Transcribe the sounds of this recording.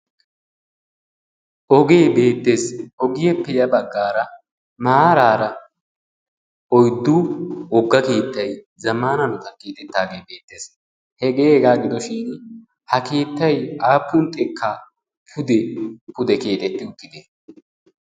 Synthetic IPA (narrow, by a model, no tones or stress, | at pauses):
ʔɔɡe̞ːbe̞ːt̪ːe̞ːsɔɡɪjɛpːɛjɐbɐɡːaːɾɐ | maːɾaːɾɐ | ɔjd̪ːuːɔɡːɐke̞ːt̪ːɐj | zɐmaːnɐnɔt̪ɐkeːt̪ʼɛt̪ːaːɡejbe̞ːt̪ːe̞ːs | hɛɡeːɛɡaːɡɪd̪ɔʃɪn | hɐke̞ːt̪ːɐjaːpːʊnt̪ʼɛkːɐ | pʰʊd̪ɛpʊd̪ɛke̞ːt̪ʼɛt̪ːɪʊt̪ːɪd̪e